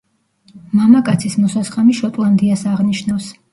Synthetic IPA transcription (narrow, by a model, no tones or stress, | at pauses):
mamakʼat̪sʰismɔsasχamiʃɔt̪ʼlˠand̪iasaʁniʃnafs